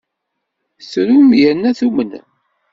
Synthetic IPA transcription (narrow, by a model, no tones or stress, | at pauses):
sɾumjænːæθumən